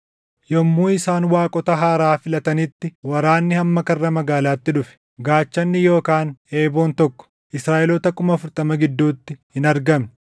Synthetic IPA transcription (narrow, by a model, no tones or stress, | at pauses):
jɔmːuːɪsaːnwaːkʼɔt̪ɐɦaːɾaːfɪlɐt̪ɐnɪt̪ːɪwɐɾaːnːɪhɐmːɐkɐrːɐmɐɡaːlaːt̪ːɪᶑʊfɛ̥ | ɡaːt͡ʃːɐnːɪjo̞ːkaːneːboːnt̪ɔkːɔ̥ | ʔɪsɾaːʔɛlɔt̪ɐkʊmɐfʊɾt̪ʼɐmɐɡɪd̪ːuːt̪ːɪhɪnɐɾɡɐm